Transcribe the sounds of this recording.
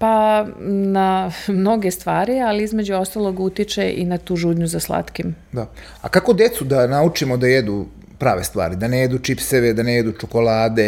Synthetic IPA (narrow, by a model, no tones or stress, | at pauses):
pa | namno̞ɡe̞st̪ʋaːɾialiizme̞d͡ʑuost̪alˠo̞ɡut̪it͡ʃeʔinat̪uːʒud̪ɲuzaslˠa̰t̪kim | d̪a | akakod̪jet̪sud̪anaut͡ʃimod̪ajed̪u | pɾa̰ːʋest̪ʋa̰ːɾid̪anejed̪ut͡ʃipseʋed̪anejed̪ut͡ʃoko̞laːd̪e